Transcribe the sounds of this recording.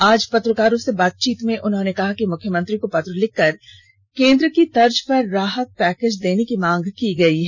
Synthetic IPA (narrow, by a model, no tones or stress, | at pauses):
aːd͡ʒpɐt̪ɾəkaːɾõsebaːt̪̚t͡ʃiːt̪mẽʔʊnɦõːnekɐɦakimʊkʰjəmə̃nt̪ɾikopɐt̪ɾəlɪkːɐɾ | kẽːnd̪ɾəkid̪ɐɾd͡ʒpɐɾːaːɦək̪̚pɛːkeːd͡ʒd̪eːnekimãːŋɡkiɡɐiɦɛ